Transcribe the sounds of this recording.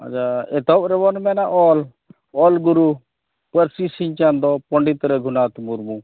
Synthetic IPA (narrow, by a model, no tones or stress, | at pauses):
a̰d͡ʒaɛt̪ɔp̚ɾɛbɔnmɛnaʔɔl | ɔlɡuɾu | pəɾsisiɲt͡ʃand̪ɔpɔɳɖit̪ɾɛɡʱunat̪muɾmu